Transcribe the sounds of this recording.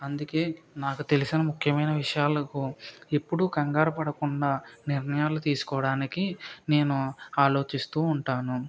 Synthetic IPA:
ɐnd̪uke̞ː | naːkut̪e̞lisinɐmukʰjɐmɐjnɐʋiʂɐjaːlɐkuepːuɽuɡɐŋɡaːɾɐpɐɽɐkuɳɖaːniɾnɐjaːlut̪iːsu̥kɔːʋɐɽaːnikine̞ːnuaːlo̞ːt͡ʃist̪uːɳʈaːnu

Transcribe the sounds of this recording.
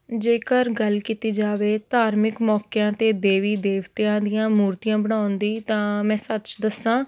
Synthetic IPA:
d͡ʒeːkəɾɡəlkiːt̪iːd͡ʒaːʋeːt̪aːɾmɪkmɔːkejãːt̪eːd̪eːʋiːd̪eːʋt̪eãːd̪ɪjãːmuːɾt̪ijãːbəɽ̃aːʊnd̪iːt̪ãːmɛ̃ːsət͡ʃd̪əsːãː

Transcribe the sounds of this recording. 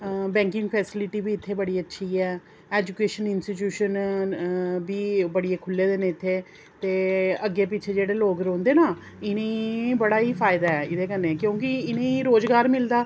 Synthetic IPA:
bɛ̃ːŋkɪ̃ŋɡpʰɛːsɪlɪʈiːbiːɪt̪ʰːeːbəɽiːətːʃʰiːɛː | ɛːd͡ʒukeːʃənɪnsʈit͡ʃjuːʃən | biːbəɽieːkʰʊlːeːd̪eːnẽːɪt̪ʰːeː | t̪eːəɡːeːpɪːt͡ʃʰeːd͡ʒeːɽeːloːkɾõːnd̪eːnaː | ɪnẽːbəɽaːiːpʰaːɪd̪aːɛːɪd̪eːkənːeːkjõːkɪɪnẽːɾoːd͡ʒɡaːɾmɪld̪aː

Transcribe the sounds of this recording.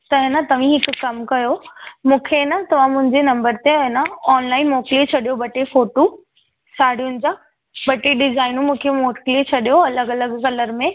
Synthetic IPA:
t̪ɐɦnɐt̪ɐʋ̤ĩɦɪkʊkɐmkɐjomũːkʰenɐt̪ɐʋ̤ãmʊ̃ɦɪ̃ɲd͡ʑenɐ̃mbəɾt̪eɐnaɔːnlaːɪnmoːkliet͡ɕʰɐɗijobɐʈefoːʈo | sʰaːɽ̤iʊnɪ̆d͡ʑã | bɐʈeɖɪzaːɪnũmũːkʰemoːkliet͡ɕʰɐɗijoɐləɡɐləɡkɐləɾmẽ

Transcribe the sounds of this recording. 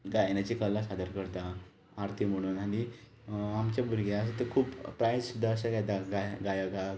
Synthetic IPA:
ɡajnat͡ɕikəlːasad̪ʱəɾkəɾt̪a | aɾt̪ʰim̤əɽ̃uːnañi | amt͡ɕabuɾɡeəs̬ə̃t̪əkʰuːppɾajssud̪ʱːaəsaɡat̪aɡajɡajəɡa

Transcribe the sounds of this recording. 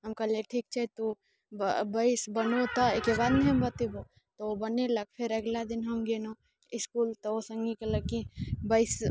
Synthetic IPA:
ɦɐmkɐleʈʰiːk̚t͡ʃʰɛt̪o | bbɐɪsbɐnot̪aekebaːd̪nɛɦɐmbɐt̪ebo | t̪oobɐnelɐɡ̚pʰɪɾɐɡlad̪ɪnɦɐmɡeno | ɪskuːlt̪oosɐ̃ŋɡikelɐɡkibəɪs

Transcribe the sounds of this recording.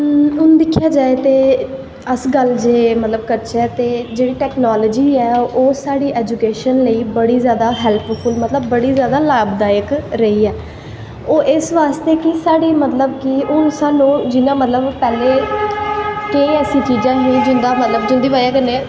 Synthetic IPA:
ʊnd̪ɪkʰːjaːd͡ʒaːeːt̪eː | əsɡəld͡ʒeːmət̪ləb̚kəɾt͡ʃɛːt̪eːd͡ʒeːɽiːʈɛːknaːləːd͡ʒiːɛːoːsaːɽiːʔɛːd͡ʒuːkeːʃənləiːbəɽiːzjaːd̪aːɦɛːlppʰʊlmət̪ləbːəɽiːzjaːd̪aːlaːbd̪aːjəkɾəiːɛː | oːʔɪsʋaːst̪eːkɪsaːɽiːmət̪ləb̚kɪʊnsaːnːũːd͡ʒɪnãːmət̪ləbpɛːleː | keĩːɛːsĩːt͡ʃiːd͡ʒãːɦĩːd͡ʒʊ̃nd̪aːmət̪ləbd͡ʒʊ̃nd̪iːʋaːaːkənːẽ

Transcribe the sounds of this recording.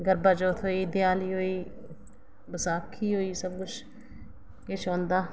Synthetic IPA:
ɡəɾbaːd͡ʒoːt̪ʰoːiːd̪ɪjaːliːɦoːiː | bəsaːkʰiːɦoːiːsəb̚kʊt͡ʃʰ | kɪt͡ʃʰõːnd̪aː

